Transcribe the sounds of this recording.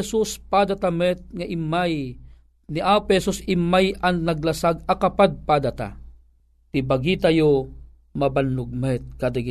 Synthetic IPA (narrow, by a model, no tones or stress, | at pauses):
ɛsuspad̪at̪amɛt̪̚ŋaʔɪmːaj | niʔaphɛsusɪmːajanːaɡ̚lasaɡakapad̪̚pad̪at̪a̰ | t̪ibaɡiːt̪ajo | mabanːʊɡ̚mɛt̪̚kad̪aɡi